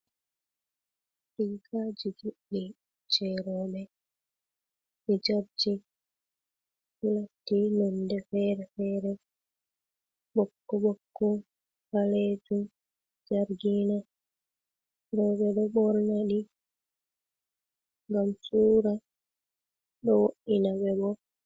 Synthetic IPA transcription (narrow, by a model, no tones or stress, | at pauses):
tijkad͡ʒid͡ʒuɗːi | t͡ʃɛɾɔɓɛ | mid͡ʒaɾd͡ʒi | fulatːinɔndɛfɛɾɛfɛɾɛ | ɓɔkːɔɓɔkːɔ | haled͡ʒum | d͡ʒaɾɡina | ɾɔɓɛɗɔɓɔɾnaɗi | ŋɡamsuːɾa | ɗɔwoɗinabɛbɔ